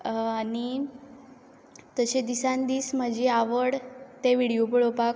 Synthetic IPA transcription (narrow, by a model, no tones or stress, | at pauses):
ani | t̪əɕed̪isãnd̪iːsm̤əd͡ʑeaʋəɽt̪eʋiɽijopəɭopak